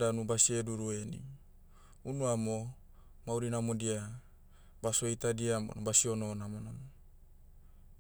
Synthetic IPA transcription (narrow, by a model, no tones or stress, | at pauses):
danubasieduɾuenḭ | unuamo | mauɾinamodia | basoejt̪adiamo̰nobasiononamonano